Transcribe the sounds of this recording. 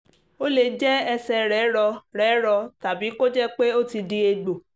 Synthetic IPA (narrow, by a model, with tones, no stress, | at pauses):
o˦le˧˨d͡ʒɛ˦ɛ˧sɛ˧ɾɛ˨˦ɾɔ˧ɾɛː˨˦ɾɔ˧ta˨bi˨˦ko˦d͡ʒɛ˦k͡pe˦o˦ti˧di˦e˧ɡ͡bo˨